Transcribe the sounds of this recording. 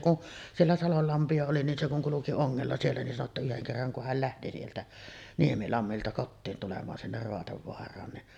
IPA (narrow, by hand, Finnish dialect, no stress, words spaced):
kun sielːæ sɑlol lɑmpiɑ oli nin se kuŋ kuluki oŋːelːɑ sielːæ nin sɑno tːɑ yheŋ kerːɑŋ ku hæl læhti sieltæ niemilɑmːiltɑ kotːiːn tulemɑːn sinːer roɑteʋːoɑrˑɑːn niʔ